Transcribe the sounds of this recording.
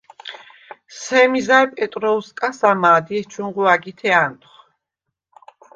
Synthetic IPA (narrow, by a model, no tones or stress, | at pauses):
sɛmizaɾpʼɛt̪ʼɾɔuskʼasamaːd̪iɛst͡ʃʰuŋʁuaɡit̪ʰɛant̪ʼχ